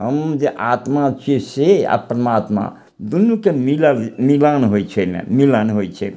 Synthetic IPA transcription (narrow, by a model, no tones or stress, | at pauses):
ɦəmd͡ʒeʔat̪mat͡ʃʰisea̰pɾəmat̪ma̰ | d̪unːukemiləlmilanɦojt͡ʃʰɛmḛ̃milanɦojt͡ʃʰɛ